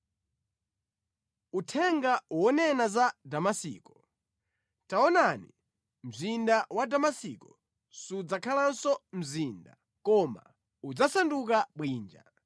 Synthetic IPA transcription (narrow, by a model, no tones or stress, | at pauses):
utʰɛŋɡawɔnɛnazadamasḭːkɔ | taɔnani | m̩zindawadamasiːkɔ | sud͡zakʰalansɔm̩zinda̰ | kɔma̰ | ud͡zasanduk̬aɓwiːnd͡ʒa̰